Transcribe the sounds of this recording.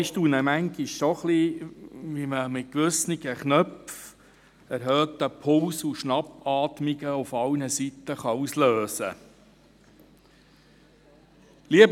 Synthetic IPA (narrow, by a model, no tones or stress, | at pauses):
ʃtunəmæŋɡiʃsoχli | ʋiməmɪt̚kʋɵsniɡ̥əχnœpf | æɾɦœːt̪əpʰʊlsuʃnɑbɑːt̪miɡ̥əufɑwnəsit̪ːəχɑusløːsə̰ | liəb